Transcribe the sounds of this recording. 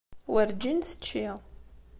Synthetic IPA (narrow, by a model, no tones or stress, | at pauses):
wəɾd͡ʒinθə̥t͡ʃːi